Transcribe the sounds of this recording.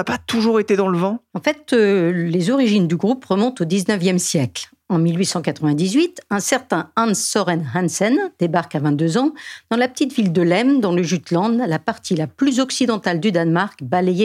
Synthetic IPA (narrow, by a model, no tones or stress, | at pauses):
apat̪uʒuʁet̪ed̪ɑ̃ləvɑ̃ɑ̃fɛt̪lezɔʁiʒind̪yɡʁupʁəmɔ̃t̪od̪iznœvjɛmsjɛkl | ɑ̃milɥisɑ̃kat̪χəvɛ̃d̪izɥit̪ɛ̃sɛʁt̪ɛ̃ansɔʁɛnɦɛ̃nsɛnd̪̥ebaʁkavɛ̃t̪̚d̪øzɑ̃d̪̥ɑ̃lapə̥t̪it̪vild̪əlɛmd̪ɑ̃ləʒyt̪lɑ̃d̪lapaʁt̪ʰilaplyzɔksid̪ɑ̃t̪ald̪yd̪anmaʁkbaleje